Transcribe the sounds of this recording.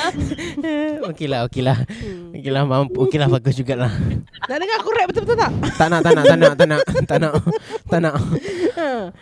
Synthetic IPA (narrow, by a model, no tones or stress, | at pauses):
əokelaɦokelahokelahmampʔokelahfaɡʊsd͡ʒuɡaʔlah | d̪aʔdəŋakuɾɛʔ̚bət̪əbət̪ət̪aʔt̪aʔnaʔ̪anaʔt̪anaʔt̪aʔnaʔt̪aʔnaʔt̪anaʔə